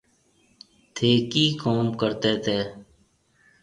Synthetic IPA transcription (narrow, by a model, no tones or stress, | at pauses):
t̪ʰeːkiːkoːmkəɾt̪eːt̪ʰeː